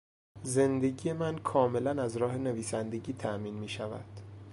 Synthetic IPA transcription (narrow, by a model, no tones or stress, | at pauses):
ze̞nd̪e̞ɟije̞mænkʰɒːme̞lænæzɾɒːɦe̞ne̞viːsænd̪e̞ɟiːt̪ʰæʔmiːnmiːʃævæ̰d̪̥